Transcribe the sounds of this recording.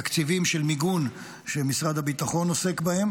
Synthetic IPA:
kt͡sivimʃelmiɡun | ʃemisʁad̪habit̪aχo̞no̞se̞kbahe̞m

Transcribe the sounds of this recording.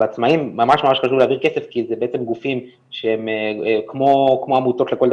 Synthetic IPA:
eat͡smaimːamaʃmamaʃχaʃuvleaviʁke̞sefkizebeet͡se̞mɡufim | ʃehemkmokmo̞amuto̞t̪le̞ko̞ld̪

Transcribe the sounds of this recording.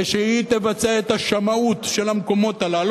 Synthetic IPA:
ʃeit̪e̞vat͡seet̪aʃamaut̪ʃe̞lamko̞mo̞t̪alal

